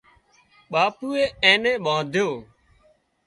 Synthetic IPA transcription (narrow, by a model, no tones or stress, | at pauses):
ɓaːpuːeːẽːnẽːɓãːd̪ʱjoː